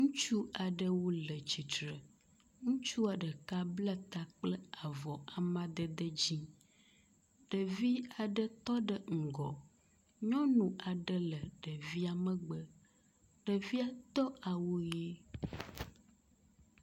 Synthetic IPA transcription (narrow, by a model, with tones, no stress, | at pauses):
ŋũ˦t͡ʃu˦a˨ɖə˦wo˦lə˨t͡ɕi˨t̪ɾə˨ | ŋũ˦t͡ʃu˦a˨ɖə˨ka˦blə˦t̪a˦k͡plə˦a˨vɔ˨a˨mã˦d̪ə˦d̪ə˦d͡ʑi˦ | ɖ̥ə˨vi˦a˨ɖə˦t̪ɔ˦ɖə˨ŋ̩˨ɡɔ˨ | ɲɔ̃˦nũ˨a˨ɖə˦lə˨ɖə˨vi˦a˨mə̃˦ɡ͡bə˦ | ɖ̥ə˨vi˦a˨t̪ɔ˦a˨wo˦je˦